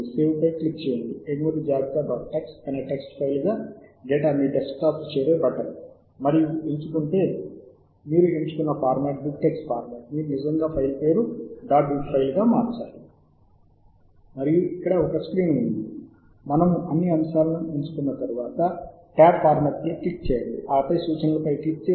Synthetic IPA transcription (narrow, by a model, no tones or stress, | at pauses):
seːwpɐjklik̚ːt͡ʃeːjɐɳɖiemuɾud͡ʒaːɡ̪iɡaːbɐʈːeksʈɐne̞ːʈe̞ksʈpʰɐjlɡaːɡɛːʈamiːɖesk̚ʈaːpt͡ʃɛːɾe̞ːbɐʈɐɾ | mɐɾijueɲt͡ʃukuɳʈe̞ː | miːɾueɲt͡ʃuk̪unːɐpaːɾmeːʈ̚bik̚ʈeksʈpaːɾmaːʈmiːɾunid͡ʒɐŋɡaːpʰɐjlpeːɾuɖaːʈbiɡpʰɐjlɡaːmaːɾt͡ʃa̰ːli | mɐɾijuikːɐɽɐɔkɐekskɾiːnund̪i | mɐnɐmuʔɐnːiɐmsaːlɐnueɲt͡ʃu̥kunːɐt̪ɐɾuʋaːt̪ɐ | ʈaːk̚paːɾmɐt̪̚niʈik̚t͡ʃɛːjɐɳɖḭʔaːɐpɐjsuːt͡ʃɐnlɐpɐjʈik̚t͡ʃe